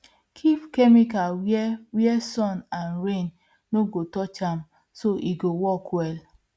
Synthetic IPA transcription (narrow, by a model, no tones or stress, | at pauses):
kʰifkɛmikawjɛwjɛsɔnanɾen | noɡotɔt͡ʃam | soʔiɡowɔkwɛl